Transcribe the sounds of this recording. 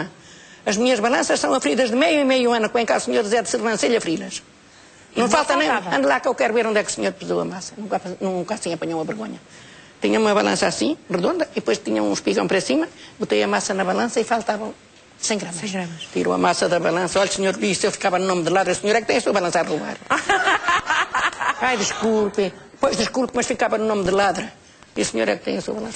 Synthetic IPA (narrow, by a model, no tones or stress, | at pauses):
ɐ | ɐʒmiɲɐʒβɐlˠɐ̃sɐʃsɐ̃w̃ɐfɾiðɐʒðɨmejuimejũɐ̃nukwẽkausɲoɾðiziɐðsɨʁɐ̃seʎɐfɾilɐʃ | nɐ̃w̃falˠt̪ɐ̃ɐ̃j̃ɐ̃nd̪lˠakewkɛɾuβeɾõnd̪ɛku̥sɲoɾpɨzowɐ̰masɐnũkaɐnũũkasĩɐpɐɲowumɐβɨɾɣoɲɐ | t̪iɲɐumɐβɐlˠɐ̰̃sasĩʁɨðõnd̪ɐiðpojʃt̪iɲɐṵ̃ʃpiɣɐ̃w̃pɾɐsimɐbut̪ejɐmasɐnɐβɐlˠɐ̃sɐifalˠt̪avɐ̃w̃ | sẽj̃ɡɾɐmɐsẽɡɾɐmɐʃt̪ḭɾo̰ɐ̰masɐðɐβɐlˠɐ̃sɐɔʎsɲoɾiselˠfi̥kavɐnunomðɨlˠaðɾɐusɲoɾɛk̚t̪ẽj̃ɐsuɐβɐlˠɐ̃saɾʁuβa̰ɾ | ajðɨʃkulˠpɐ̃pojʒðɨʃkulˠpmɐʃfikavɐnunomðɨlˠaðɾɐ | iusɨɲoɾɛ̰k̚t̪ḛ̃j̃ɐsuɐβɐlˠɐ̃sɐ